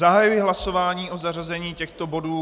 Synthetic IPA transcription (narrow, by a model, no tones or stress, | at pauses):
aɦajujɪɦlasovaːɲiːʔozarazɛɲiːcɛxt̪o̞bo̞duː